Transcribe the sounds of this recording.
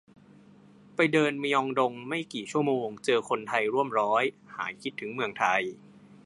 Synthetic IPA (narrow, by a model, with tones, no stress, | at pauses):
pa˧jdɤː˧nmiː˧ʔɔ˧ŋdo˧ŋma˥˩jkiː˨˩t͡ɕʰu˥˩əmoː˧ŋt͡ɕɤː˧kʰo˧nt̪ʰa˧jɾu˥˩əmɾɔː˦˥j | ha̰ː˩˦kʰi˦˥t̪ʰːɯ˩˦ŋmɯ˧˩əŋt̪ʰa˧j